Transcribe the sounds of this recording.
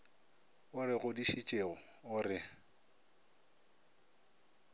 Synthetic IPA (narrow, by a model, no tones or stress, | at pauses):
ʊɾɪɣʊdiʃit͡ʃʼeɣʊ | ʊrɪ